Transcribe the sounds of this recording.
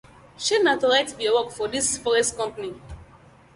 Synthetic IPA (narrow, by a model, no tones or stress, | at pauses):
ʃenatoɹajtbiawɔkfɔdisfɔɹɛstkɔ̃mpani